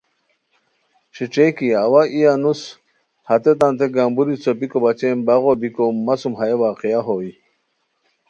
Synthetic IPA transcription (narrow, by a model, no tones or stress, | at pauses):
ɕiʈ͡ʂekiawaʔijanus | hat̪et̪ant̪eɡambuɾit͡sopikobat͡ɕembaɣobikomːasumɦajewaːqiaɦoi